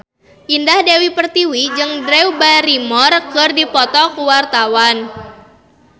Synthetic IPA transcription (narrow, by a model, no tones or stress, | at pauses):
ʔindahdewipərt̪iwid͡ʒɨŋdɾɛwbaɾimɔrkɨrdipɔt̪ɔkuwart̪awan